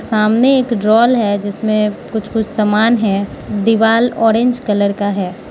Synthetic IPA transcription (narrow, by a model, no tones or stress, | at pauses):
saːmneeːkɖɾɔːlɦɛd͡ʒɪsmẽkʊt͡ʃʰkʊt͡ʃʰsaːmaːnɦɛ | d̪ɪʋaːlɔːɾẽɲd͡ʒkɐləɾkaɦɛː